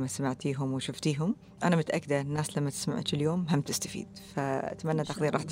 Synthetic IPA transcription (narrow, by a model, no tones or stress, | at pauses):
masamaʕt̪iːɦʊmwɪʃʊft̪iːɦʊm | ʔanamʊt̪ʔakːɪd̪anːaːslamːat̪ɪ̥sma̰ʕ̰t̪ɪljoːmɦamt̪ɪ̥st̪ḁfḭːd̪̥ | faʔa̰t̪manːat̪axðiːɾʔɑːħt̪